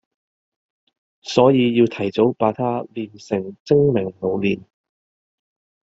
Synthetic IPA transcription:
sɔː˨˥jiː˨˧jiː˧wt̪ʰɐ˨˩jt͡so˨˥wpaː˨˧˥t̪ʰaː˥liː˨˧nsɪ˨˩ŋt͡sɪ˥ŋmɪ˨˩ŋlo˨˧wliː˨n

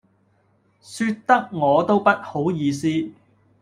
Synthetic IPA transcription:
syː˧tt̪ːɐ˥k̚ŋɔː˨˧t̪o˥wpɐ˥t̚ho˨˥wjiː˨˧s̬iː˥

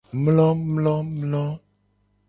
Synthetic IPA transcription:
mlɔ˦mlɔ˦mlɔ˦

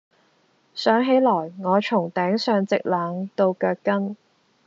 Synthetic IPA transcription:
sœː˨˥ŋɦe˨˥jlɔː˨˩jŋɔː˨˧t͡ʃʰʊ˨˩ŋt̪ɛː˨˥ŋsœː˨ŋt͡sɪ˨k̚laː˨˥ŋt̪o˧wkœː˧kːɐ˥n

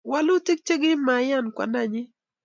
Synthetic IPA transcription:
wa˦lʊ˦ti˦k̚t͡ʃe˦ɡɪ˦ma˨˦ja˦˨nkwa̰˨nda˦˨ɲɪ˦

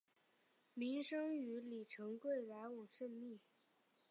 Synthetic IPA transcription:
mi˧˥ŋʂɤ˥ŋy˧˥li˨˩ʈ͡ʂʰɤ˧˥ŋkwe˥˩ɪla˧˥ɪwɑ˨˩ŋʂə˥˧nmi˥˩

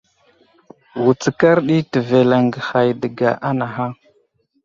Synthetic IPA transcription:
wu˨t͡sə˨ka˦ɾɗi˦tə˨ve˨la˨ŋɡə˨xa˨jdə˨ɡa̰˨ʔa˦na˨ɦa˦

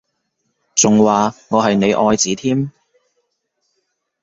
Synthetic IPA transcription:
t͡sʊ˨ŋwaː˨˩ŋɔː˨˧ɦɐ˨jne˨˧jʔɔː˧jt͡siː˨˥t̪ʰiː˥m

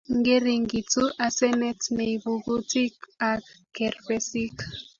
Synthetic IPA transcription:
ŋɡe˦ɾi˨ŋɡi˨t͡su˦ʔa˨sɛ˦nɛ˦tne˨ibu˨bu˦ti˦ka˨kkɛ˨rpɛ˦si˦k

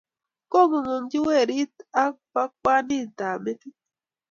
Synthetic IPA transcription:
ko˦˨mo˨mo˨n˦d͡ʒi˦we˦˨ɾi˦ta˦pa˦kʷa˦ni˦˨t̪a˨me˦t̪i˦

